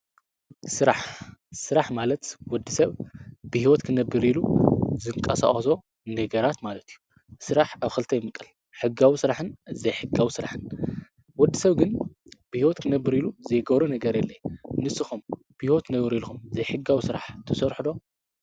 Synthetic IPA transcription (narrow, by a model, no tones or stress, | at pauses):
sɨɾaħsɨɾaħmalɐt̪wɔd̪ːɨsɐβbɨhiwɔt̪kʰɨnɐbɨɾiluzɨŋkʼːɐsa̰χʼɐso̞ | nɐɡɐɾat̪malɐt̪ʰiju | sɨɾaħaβxɨlt̪ʰɐjɪmːɨkʼːɨl | ħɨɡawisɨɾaħɨnzɐjħɨɡawisɨɾa̰ħɨn | wɔd̪ːɨsɐβɡɨnb̥ɨhiwɔt̪kʰɨnɐbːɨɾiluzɐjɡɐβɾunɐɡɐɾjɛlːɐjnɨsɨxum | b̥ɨhiwɔt̪nɐβɾilxumzɐjħɨɡawisɨɾaħt̪ʰɐsɔɾħd̪o̞